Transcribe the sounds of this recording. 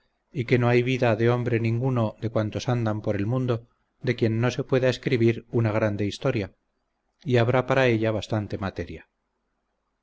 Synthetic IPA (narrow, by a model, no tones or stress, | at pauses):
ike̞no̞ajβiðaðe̞o̞mbɾe̞nĩŋɡuno̞ðe̞kwant̪o̞sand̪ampo̞ɾe̞lmũnd̪o̞ | d̪e̞kje̞nːo̞se̞pwe̞ðaeskɾiβiɾunaɣ̞ɾand̪e̞ist̪o̞ɾja | iaβɾapaɾae̞ʎaβ̞ast̪ant̪e̞mat̪e̞ɾja